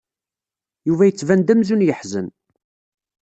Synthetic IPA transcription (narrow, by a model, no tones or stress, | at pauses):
juvæjət͡sːvænd̪æmzunjəħzə̰n